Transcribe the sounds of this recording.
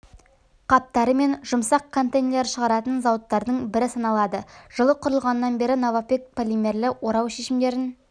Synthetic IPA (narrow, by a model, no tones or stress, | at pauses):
qʰɑp̚t̪ɑɾəme̞nʒʊmsɑqkʰːo̞nt̪ejnlʲeɾʃəʁɑɾɑt̪ənzɑwət̪ːɑɾd̪əɴbɪɾɪsɑnɑlˠɑd̪əʒ̥əlˠəqʰʊɾəlˠʁɑnːɑnbe̞ɾɪnovapek̚pʰolʲimʲe̞ɾlɪwo̞ɾɑwʃe̞ʃɪmd̪e̞ɾɪn